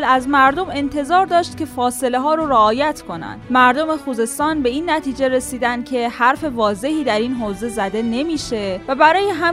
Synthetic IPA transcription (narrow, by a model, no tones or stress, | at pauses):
læzmæɾd̪o̞me̞nt̪ʰe̞zɒːɾd̪ɒːʃt̪̚cʲe̞fɒːse̞le̞ɦɒːɾoɾeɒːjæt̪ʰkʰo̞næ̰nd̪mæɾd̪o̞me̞xuːze̞st̪ɒːnbe̞iːnːæt̪ʰiːd͡ʒe̞ɾe̞siːd̪ænd̪̚cʲʰe̞hæɾfe̞vɒːze̞hiːd̪æɾiːnɦoːze̞zæd̪e̞ne̞miːʃe̞væbæɾɒːjeɦæ